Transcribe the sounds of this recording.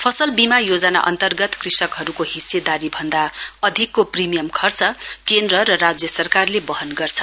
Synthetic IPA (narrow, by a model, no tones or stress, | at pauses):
pʰʌsʌlbimajod͡zʌna̰ʔʌ̰nt̪ʌrɡʌt̪krisʌkɦʌɾukohised̪aɾibʱʌnd̪aʌd̪ʱikːoprimijʌmkʰʌrt͡sʌkend̪rʌɾʌrad͡zjʌsʌrkarlebʌɦʌnɡʌrt͡sʰʌ